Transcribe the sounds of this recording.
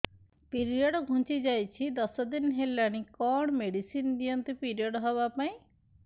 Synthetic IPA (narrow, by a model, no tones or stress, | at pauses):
piɾiɔɽɔɡʱũt͡ɕid͡ʑajt͡ɕʰid̪ɔsɔd̪inɦelanikɔɳ̃meɖisind̪ijɔnt̪epiɾiɔɽɔɦɔβapaĩ